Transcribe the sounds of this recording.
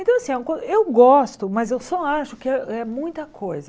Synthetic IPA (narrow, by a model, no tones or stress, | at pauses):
ẽt̪ɐ̃w̃ɐasĩkwɐ̃dʊewɡɔst̪ʊmɐzewsɔaʃʊkɪɛɛmũj̃t̪ɐkʰojzɐ